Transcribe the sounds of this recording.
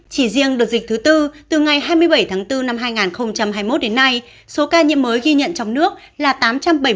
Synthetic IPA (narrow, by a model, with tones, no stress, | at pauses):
t͡ɕi˧˩zi˧əŋɗɨ˨˩ək̚zï˨˩t̪ʰɨ˨˦t̪ɨ˧t̪ɨ˨˩ŋa˨˩jɦaː˧jmɨ˧əjɓə˧˩jt̪ʰaː˨˦ŋt̪ɨ˧na˧mɦaː˧jŋaː˨˩nxə˧wŋ͡mt͡ɕa˧mɦaː˧jmo˦˥t̚ɗe˨˦nːa˧j | so˨˦kaː˧ɲḭ˧˥əmːəː˨˦jɣi˧ɲə̰˧˨nt͡ɕɔ˧wŋ͡mnɨ˦˥ək̚ | laː˨˩t̪aː˨˦mt͡ɕa˧mɓə˧˩j